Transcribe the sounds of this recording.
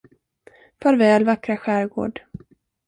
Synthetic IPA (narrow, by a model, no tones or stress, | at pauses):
fœːɾvɛːlvakɾaɧæːɾɡo̰ːɖ